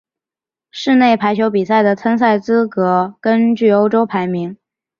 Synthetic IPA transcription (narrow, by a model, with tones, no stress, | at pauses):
ʂɻ̩˥˧ne˥˩ɪpʰa˧˥ɪt͡ɕʰjo˧˥ʊpi˨˩sa˥˩ɪd̪ə˩t͡sʰə˥ns̬a˥˩ɪt͡sɹ̩˥kɤ˧˥kə˥nt͡ɕy˥˩o˥ʊʈ͡ʂo˥ʊpʰa˧˥ɪmi˧˥ŋ